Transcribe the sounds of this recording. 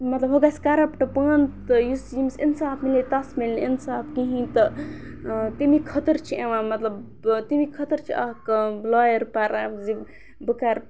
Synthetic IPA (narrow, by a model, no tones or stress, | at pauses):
mɐt̪lɐbɦoɡaskaɾɐpʈɐpənt̪jusjimsinsaːbʰmilet̪ɐsmilinsaːbkiɦĩt̪ɨ | t̪imikʰət̪əɾt͡ʃʰieʋãmɐt̪lɐb | t̪imikʰət̪əɾt͡ʃʰiɐkblaːjəɾpaɾazi | bɨkaɾ